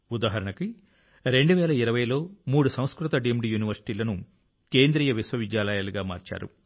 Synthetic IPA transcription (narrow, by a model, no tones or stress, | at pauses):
ud̪aːɦɐɾɐɳɐki | ɾe̞ɳɖuʋɛːlɐiɾɐʋɐjlo̞ːmuːɽusɐw̃skɾut̪ɐɖiemɖiːjuːniʋɐɾsi̥ʈiːlɐnu | keːnd̪ɾiːjɐʋisʋɐʋid̪jaːlɐjaːluɡaːma̰ːɾt͡ʃa̰ːɾṵ